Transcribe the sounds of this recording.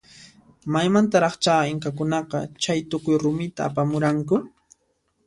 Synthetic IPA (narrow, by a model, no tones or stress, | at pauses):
majmant̪aɾɑχt͡ʃaːɪŋkakʊnɑqɑ̰t͡ʃajt̪ʊkʊjɾʊmɪt̪a̰ːpamʊɾaŋkʊ